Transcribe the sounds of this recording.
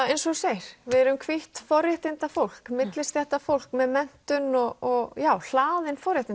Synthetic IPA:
ejnsɔseːjɾ̥vɪðɛɾʏmkʰvɪht̪fɔɾjɛht̪ɪnt̪afowl̥kmɪt̪lɪst̪jɛht̪afowl̥kmɛðmɛn̥t̪ʏnɔɔɣjaːwl̥aːðɪnfɔɾjɛt̪ɪn

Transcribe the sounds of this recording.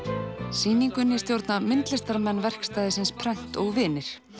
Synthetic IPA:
siːniŋkʏnːɪst̪jowɾt̪namɪnt̪lɪst̪aɾmɛnːvɛr̥kst̪aːjðɪsɪnspʰɾɛn̥t̪ɔɣvɪːnɪɾ̥

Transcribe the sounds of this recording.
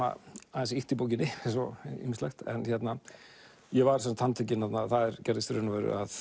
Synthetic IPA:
a̰aðɛnsiht̪ipoːwc̬ɪnːɪens̬ɔḭmːɪslɛxt̪ɛ̰nçɛt̪na | jɛvaɾsɛnsat̪hant̪ʰecɪnhɛt̪naθaðɛɾcaɾðɪst̪ɾʏnavœɾʏ̰að

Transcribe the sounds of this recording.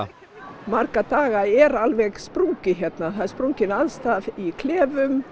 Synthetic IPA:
markat̪aːɣaɛɾalvɛɣspɾuŋcɪçjɛt̪naθaðɾspɾuŋcɪnaðst̪aðikʰlɛːvʏm

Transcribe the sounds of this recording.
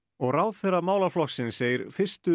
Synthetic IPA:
ɔɣraːwðθɛrːamaːwlaflɔxsɪnseːjɪɾfɪr̥st̪ʏ

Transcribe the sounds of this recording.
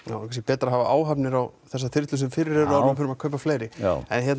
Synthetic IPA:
a̰wkʰas̬ɛpɛːt̪ɾaɦavaʔa̰ːwɦapnɪɾawθɛs̬ːat̪ʰɪr̥t̪lʏsɛmfɪɾɪɾɛɾʏaɾmafɪɾʏmakʰœɥp̬ːafleːjɾɪɛ̰nɦçɛt̪n

